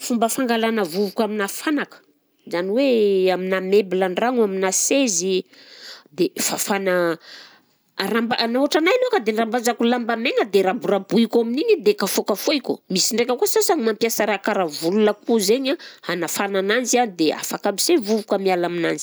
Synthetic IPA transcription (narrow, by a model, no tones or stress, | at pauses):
fumbəfaŋɡalanəvuvukaminafanakə̥ | zaniweaminamebilaɳɖ͡ʐaŋaminasezi | d̪efafanə | rambanauaʈ͡ʂanajnokəd̪eɳrambazakulambameŋəd̪eɾabuɾabuikaminiɲid̪ekafokəfoikṵmisiɳɖ͡ʐekʲəkusasaŋimampjasaɾakaɾavulunəkuzeɲahanafananand͡ʒiand̪ea̰fakamisevuvukamialaminanzi̥